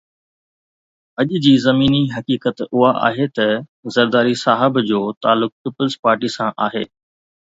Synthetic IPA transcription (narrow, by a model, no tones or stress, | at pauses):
ɐʄd͡ʑiːzɐmiːniɦɐkiːkət̪ʊɦaʔa̰ːɦet̪ɐzɐɾd̪aːɾisaːɦəbd͡ʑoːt̪aːlːʊk̚piːpəlzpaːɾʈisãʔaːɦeː